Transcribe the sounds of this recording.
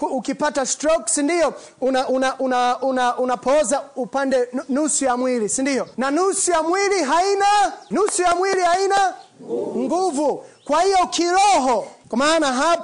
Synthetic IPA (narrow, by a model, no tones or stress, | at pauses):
kːkipatastɾɔksindijɔ | unaʔunaʔunaunaunapɔzaupandɛnusujamwilisindijɔnanusujamwiliɦainanusujamwilihaina | ŋɡuvukwahijɔkʰiɾɔɦɔkwamaːnaɦap